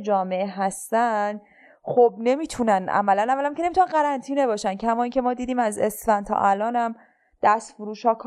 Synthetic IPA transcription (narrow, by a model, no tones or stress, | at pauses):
d͡ʒɒːme̞ʔeɦæst̪ænd̪ | xob̚ne̞miːt̪ʰunænʔæ̰mælænævːælæmcʰʲeemit̪unænɢæɾænt̪ʰiːne̞bɒːʃæncʰæmɒːiːŋcʲʰe̞mɒːd̪iːd̪iːmæzḛslænt̪ʰɒ̰ːʔælɒːnæm | d̪̥æst̪fuɾuːʃɒːkʰ